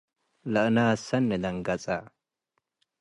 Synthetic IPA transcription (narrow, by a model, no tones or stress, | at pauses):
lɐʔnaːsɐnːɛd̪ɐŋɡɐt͡sʼa